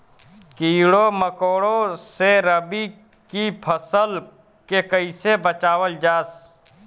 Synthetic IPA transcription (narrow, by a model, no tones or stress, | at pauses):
kiːɽoməkoːɽõseɾəbi | kipʰəsəl | kekəɪsebət͡ʃaːwəld͡ʒaːs